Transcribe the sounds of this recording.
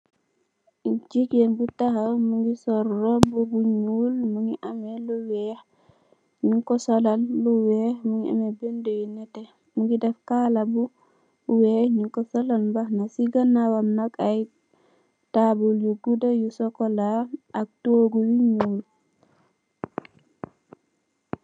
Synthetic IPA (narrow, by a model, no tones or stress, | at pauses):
d͡ʒiɡenbutahamuŋɡisɔɾːɔbubuɲulmuŋɡiʔamɛluwɛh | ɲuŋkɔsɔlalluwɛhmuŋia̰mɛbendujunɛtɛ | muŋɡidɛfkalabu | wɛɲuŋkɔsɔlanbahnasiɡanːawamnakaj | tabuljuɡudajusɔkɔlaʔak̚toɡujuɲuːl